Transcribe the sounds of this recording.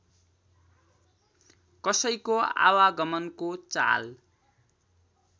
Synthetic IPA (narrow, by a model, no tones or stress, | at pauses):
kʌsʌjkoa̰waɡʌmʌnkot͡sa̰l